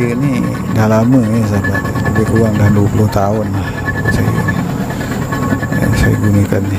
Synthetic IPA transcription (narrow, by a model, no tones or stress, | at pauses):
əni | dahlaməŋes̬aba | ləbɪruaŋdahduwəpuloht̪aʊnlah | sa̰j | sa̰jɡunəkanːi